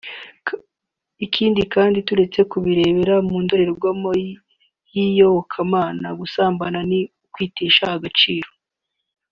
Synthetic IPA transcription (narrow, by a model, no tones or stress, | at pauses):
ikʰiːndikaːndituɾe̞t͡se̞kuβiɾe̞ːβe̞ɾamuːndo̞ɾe̞ɾoɡwamo | jijoβokʰamaːnaɡusaːmbananiukwiːteːʃahaɡat͡ʃiːɾo̥